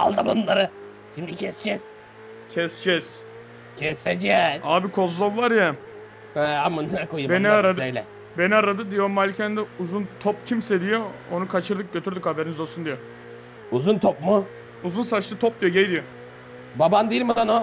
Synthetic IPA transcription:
a̰lˠd̪amonlˠaɾɯ | ʃimd̪icʰɛsd͡ʒɛz̥ | cʰɛsd͡ʒɛz̥ | cʲʰɛsed͡ʒɛzaːbikʰo̞zlˠovːˠaɾja | hɛamunlaɾakojubeniaɾad̪ejlʲɛ | beniaɾad̪ɯd̪ijomalʲːicʰɛnd̪ɛuzunt̪ʰopcʰimsed̪ijoonukʰat͡ʃʰɯɾd̪ɯk̚ɟø̞t̪ʰyɾd̪ykhabeɾinizo̞lˠsund̪ijo | uzunt̪ʰopmu | uzunsaʃt̪ɯt̪ʰop̚d̪ijoɟejd̪ijo | baband̪iilmad̪ano

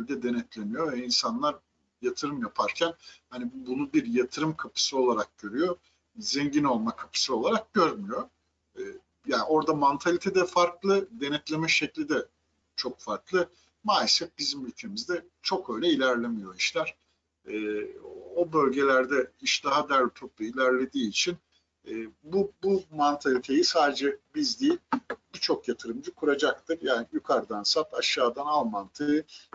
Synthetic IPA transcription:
lʲd̪ɛd̪e̞nɛt̪lʲe̞mijovɛinsanlˠaɾ | jat̪ʰɯɾɯmjapʰaɾcʰænhanibunubiɾjat̪ʰɯɾɯmkʰapʰɯ̥sɯo̞lˠaɾak̚ɟ̥ø̞ɾyjo̞ | zɛɲɟino̞lˠmakʰapʰɯ̥sɯo̞lˠaɾak̚ɟ̥øɾmyjo̞ | ɛː | jaːno̞ɾd̪amant̪ʰalʲit̪ʰɛd̪ɛfaɾklˠɯd̪e̞nɛt̪lʲe̞mɛʃɛclʲid̪ɛ | t͡ʃʰo̞kfaɾklˠɯ | maːjʲesɛt̪̚bizimylʲcʰe̞mizd̪ɛ | t͡ʃʰo̞kø̞jlʲɛilʲæɾlʲemijo̞iʃlʲæɾ̥ | ɛːobø̞lʲɟe̞lʲæɾd̪ɛiʃd̪aɦad̪æɾlʲt̪ʰop̪̚lˠailʲæɾlʲe̞d̪iːt͡ʃʰin | ɛːbubumant̪ʰalʲit̪ʰe̞jisaːd̪ed͡ʒɛbizd̪ejilʲbit͡ʃʰo̞kjat̪ʰɯɾɯmd͡ʒɯkʰuɾad͡ʒak̚t̪ʰɯɾjaːnijykʰaɾd̪ansap̪aʃːaːd̪analˠmant̪ʰɯ

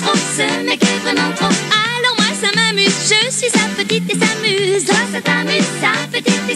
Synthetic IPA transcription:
t̪ʁosəmakɛvʁɛnɑ̃t̪χoalɔʁmwasamamyzʒəsɥisapət̪it̪esamyzasat̪amyzsapət̪it̪e

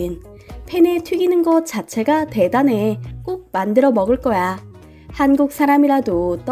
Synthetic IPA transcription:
ɯn | pʰe̞ne̞tʰwiɡinɯnɡʌt͡ɕ͈at͡ɕʰe̞ɡate̞dane̞k͈ok̚mandɯɾʌmʌɡɯɭk͈ʌja | hanɡuk̚s͈ʰaɾamiɾadot͈ʌ

